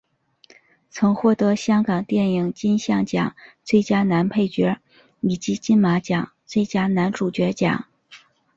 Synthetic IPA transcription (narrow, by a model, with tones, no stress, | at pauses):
t͡sʰɤ˧˥ŋxwɔ˥˩t̪ɤ˧˥ɕjɑ˥ŋkɑ˨˩ŋt̪jɛ˥˩ni˨˩ŋt͡ɕi˥nɕjɑ˥˩ŋt͡ɕjɑ̰˨˩˦ŋt͡swe˥˩ɪt͡ɕja˥na˧˥npʰe˥˩ɪt͡ɕɥɛ˧˥ | i˨˩t͡ɕi˧˥t͡ɕi˥nma˧˥t͡ɕjɑ˨˩˦ŋt͡swe˥˩ɪt͡ɕja˥na˧˥nʈ͡ʂu˨˩t͡ɕɥɛ˧˥t͡ɕjɑ̰˨˩˦ŋ